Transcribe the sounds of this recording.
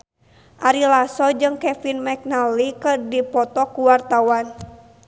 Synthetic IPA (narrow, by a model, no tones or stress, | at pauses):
ʔaɾilasɔd͡ʒɨŋkɛfinmɛk̚nalikɨrdipɔt̪ɔkuwart̪awan